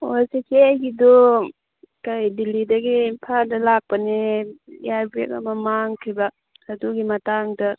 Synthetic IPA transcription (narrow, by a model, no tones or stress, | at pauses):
osekʰejɡido | kajdilidɐɡipʰadɐlak̚pɐnejabɾekɐ̰mɐmaŋkʰɾibak̚ | ɐduɡimɐtaŋdɐ